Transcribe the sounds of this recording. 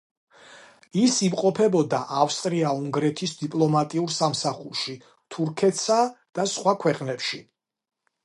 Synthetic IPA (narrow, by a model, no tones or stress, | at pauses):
isimqʼɔpʰɛbɔd̪aʔafst̪ʼɾiauŋɡɾɛt̪ʰisd̪ipʼlˠɔmat̪ʼiuɾsamsaχuɾʃi | t̪ʰuɾkʰɛt̪ʰsad̪̥asχwakʰwɛqʼnɛpʃi